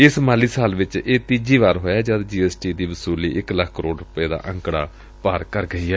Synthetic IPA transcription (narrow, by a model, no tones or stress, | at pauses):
ɪsmaːliːsaːlʋɪt͡ʃeːt̪iːd͡ʒiːʋaːɾɦoːjaːd͡ʒaːd̪d͡ʒiːɛːsʈiːd̪iːʋəsuːliːʔɪkləkʰkəɾoːɖɾʊpeːd̪a̰ːʔə̃ŋkɽa̰ː | paːɾkəɾɡəiːɛː